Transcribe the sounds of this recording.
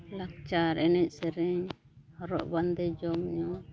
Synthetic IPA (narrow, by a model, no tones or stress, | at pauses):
lak̚t͡ʃaɾʔɛnɛc̚ˀsɛɾɛɲ | hɔɾɔ̰ʔband̪ɛd͡ʒɔmɲɔ